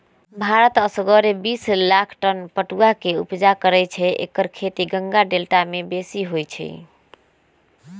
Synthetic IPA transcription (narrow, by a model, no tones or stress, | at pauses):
bʱaɾət̪əsəɡəɾebislakʰʈənpəʈuakeṵpd͡ʒakəɾɛt͡ʃʰɛʔḛkəɾkʰet̪iɡəŋɡaɖelʈamebesiɦojt͡ʃʰɛ̰